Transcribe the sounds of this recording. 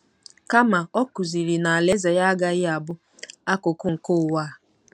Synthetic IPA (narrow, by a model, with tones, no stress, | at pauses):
ka˦ma˨ɔ˦ku˨zi˨ɾi˨na˨a˨le˦ze˨ja˦ɡa˦ɣɪ˦a˨bʊ˦ | a˦kʊ˨kʊ˦ŋ̩˨kʊ˦˨wa˦˨